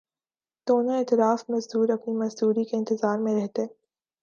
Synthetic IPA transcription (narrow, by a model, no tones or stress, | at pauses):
d̪̥oːnoɛːt̪ɪɾaːfmɐzd̪uːɾɐpnimɐzd̪uːɾikeɪ̃nt̪ɪzaːɾmẽɾɛɦt̪e